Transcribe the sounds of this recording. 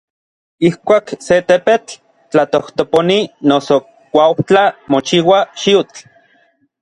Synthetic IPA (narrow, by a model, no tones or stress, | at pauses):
ihkʷaːkset̪epet͡ɬ | t͡ɬat̪oht̪oponinoso | kʷaowt͡ɬamot͡ʃiwaʃiut͡ɬ